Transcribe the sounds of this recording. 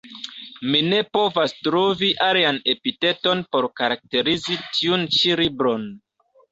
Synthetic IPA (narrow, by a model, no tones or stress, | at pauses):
mine̞po̞vastɾoviʔaliane̞pite̞to̞npo̞ɾkaɾak̚te̞ɾizitʰiunt͡ʃilibɾo̞n